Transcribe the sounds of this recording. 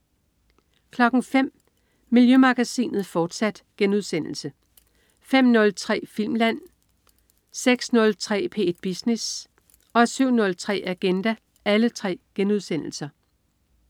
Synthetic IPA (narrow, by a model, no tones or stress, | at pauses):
kʰlɒ̽ɡ̥n̩fem̰ | miljømɑ̈ɡ̥æsḭːnð̞̩ˠfɒːd̥sæd̥ɡ̥enuðˠsen̰l̩sə | fem̰nɔ̽lt͡sʰʁɛ̰ːfil̰mlæn̰ | seɡ̥snɔ̽lt͡sʰʁɛ̰ːpʰe̝̰ːed̥̚b̥isnes | ɒ̽syʊ̰nɔ̽lt͡sʰʁɛ̰ːʔæɡ̥end̥æ | ʔælət͡sʰʁɛ̰ːɡ̥enuðˠsen̰l̩sɐ